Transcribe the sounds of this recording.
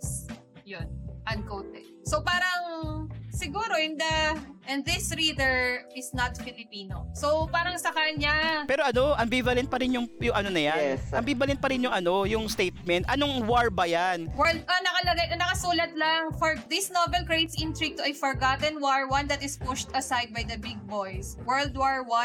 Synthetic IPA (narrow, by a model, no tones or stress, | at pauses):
s | jonʔɐnkowt̪̚ɛ̰ | sopaːɾɐŋsɪɡuːɾoʔɛnd̪ɐʔɛnðɪsɹiːd̪ɛɹɪsnɐt̪fɪlɪpiːno̰sowpaːɾɐŋsɐkɐɲapɛːɾoʔɐno̞ʔɐmbivɐlɛnt̪̚pɐɾɪnjʊŋjʊŋʔɐnonɐjanɐmbiːbɐlɛnt̪̚pɐɾɪnjʊŋɐno̞jʊŋst̪ejt̪̚mɛnt̪ʔɐnoŋwaɹbɐjanwɛɹld̪̚ɐnɐkɐlɐɡajʔɐnɐkɐsuːlɐt̪̚laŋfɔɹd̪ɪsnovɛlkɹejt̪sʔɪnt̪ɾiɡ̚t̪ʊʔɐfɔɹɡat̪ɛnwaɹwɐnd̪ɐt̪ɪspʊʃt̪ɐsajd̪̚bɐjd̪ɐbɪɡ̚bojswɛɹld̪waɹwɐ